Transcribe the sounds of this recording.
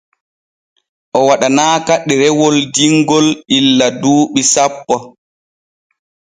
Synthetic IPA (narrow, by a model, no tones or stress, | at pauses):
ʔɔwaɗanaːkaɗːiɾɛwɔldiŋɡɔlilːaduːɓisapːɔ